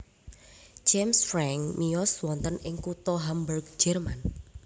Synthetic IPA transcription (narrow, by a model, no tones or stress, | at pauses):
d͡ʒemsfɾɛŋmijɔswɔnt̪ənɪŋkut̪ɔɦamburɡ̚d͡ʒɛrman